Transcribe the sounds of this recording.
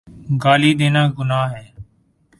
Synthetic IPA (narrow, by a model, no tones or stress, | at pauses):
ɡaːliːɗ̪eːnaːɡʊnaːɦɛː